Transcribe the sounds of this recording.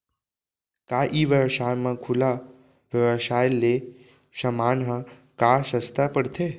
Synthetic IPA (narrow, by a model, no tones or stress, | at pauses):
kaʔiʋəʋɕajmakʰula | ʋjəʋəɕajlːe | ɕəmanɦə | kaɕəst̪apəɽt̪ʰe